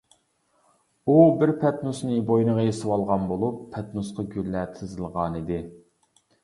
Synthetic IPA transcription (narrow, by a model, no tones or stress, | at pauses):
ubɪɾpʰɛt̪nusnɨbojnəʁəjesɨwɑlˠʁɑnbolˠupʰːɛt̪nusqʰɑɡʲyllːɛt̪ʰɨzɨlˠʁɑnid̪ɪ